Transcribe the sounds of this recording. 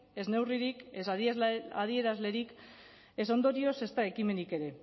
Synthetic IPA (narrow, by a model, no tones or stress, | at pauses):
e̞zne̞wriɾikesa̰ðie̞ɾazle̞ɾik | e̞so̞nd̪o̞ɾio̞se̞st̪ae̞kime̞nike̞ɾe̞